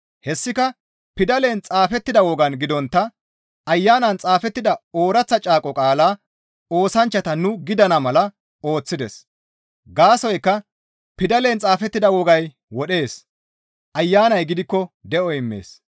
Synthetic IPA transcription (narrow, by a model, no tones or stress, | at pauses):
hɛsːɪkɐ | pɪd̪ɐle̞nt͡sʼaːfɛt̪ːɪd̪ɐwɔɡɐnɡɪd̪ɔnt̪ːɐ | ɐjːaːnɐnt͡sʼaːfɛt̪ːɪd̪ɐo̞ːɾɐt͡sːɐt͡ʃʼaːkʼɔkʼaːlaː | o̞ːsɐnt͡ʃːɐt̪ɐnʊɡɪd̪ɐnɐmɐlɐ | o̞ːt͡sːɪd̪ɛs | ɡaːsɔjkːɐ | pɪd̪ɐle̞nt͡sʼaːfɛt̪ːɪd̪ɐwɔɡɐj | wɔɗe̞ːs | ʔɐjːaːnɐjɡɪd̪ɪkːɔd̪ɛɔɪmːḛːs